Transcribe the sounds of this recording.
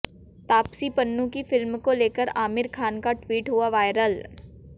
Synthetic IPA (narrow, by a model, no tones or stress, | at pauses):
t̪aːpsipənːũkifɪlmkoleːkəɾaːmɪɾkʰaːnkaʈwiːʈɦʊaʋaːɪɾəl